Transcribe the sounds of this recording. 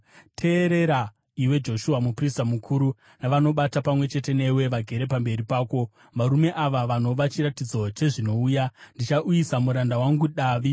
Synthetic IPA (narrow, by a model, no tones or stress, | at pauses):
tʰe̞ːɾe̞ɾa | iwe̞d͡ʒo̞ʃuamupristamukʰuɾu | naʋano̞ɓatapamwe̞t͡ʃe̞te̞ne̞we̞ʋaɡʱe̞ɾe̞pambe̞ɾipaːko̞ | ʋaɾume̞ʔaʋaʋano̞ʋat͡ʃiɾatid͡zo̞t͡ʃe̞ʐino̞uːjandit͡ʃaʔujisamuɾandawaŋɡuɗaːʋi